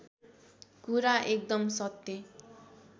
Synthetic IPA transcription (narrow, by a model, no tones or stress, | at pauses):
kuɾaʔek̚d̪ʌmsʌt̪ːe